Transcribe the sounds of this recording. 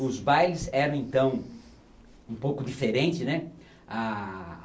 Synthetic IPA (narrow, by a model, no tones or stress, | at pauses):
ʊzbajlɪzɛɾɐ̃w̃ẽnt̪ɐ̃w̃ | ũpowkʊd̪ifeɾẽnt͡ʃ̪ɪsnɛ | a